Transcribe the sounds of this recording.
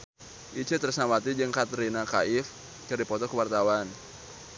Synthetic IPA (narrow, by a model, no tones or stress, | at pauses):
ʔit͡ʃət̪ərsnawat̪id͡ʒɨŋkat̪ɾinaka̰ʔɪf | kɨripɔt̪ɔkəwart̪awan